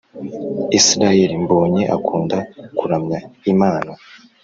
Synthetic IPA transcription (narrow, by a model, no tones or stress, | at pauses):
isɾajeɾimboːɲe̞ʔakʰuːndakuɾamɲaimaːna